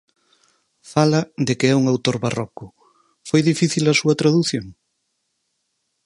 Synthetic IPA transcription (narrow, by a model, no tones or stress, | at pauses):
falɐd̪ɪkɪɛuŋawt̪oɾβarɔkʊ | fojðifiθilɐsuɐt̪ɾaðuθjoŋ